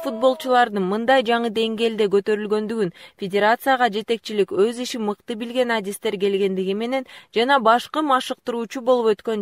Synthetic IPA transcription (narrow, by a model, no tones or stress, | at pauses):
fut̪̚bo̞lˠt͡ʃulˠɑɾd̪ɯnmɯnd̪ɑjd͡ʒɑɴɯd̪e̞ŋɡe̞ːld̪e̞ɡø̞t̪ø̞ɾylɡø̞nd̪yɡynfʲedʲe̞ɾat̪sɨjaʁɑd͡ʒe̞t̪e̞k̚t͡ʃilikøziʃimɯqt̪ɯbilɡe̞nadʲist̪e̞ɾɡe̞lɡe̞nd̪iɡime̞ne̞nd͡ʒɑnɑbɑʃqɯmɑʃɯq̚t̪ɯɾuːt͡ʃubo̞lˠupø̞t̪kø̞n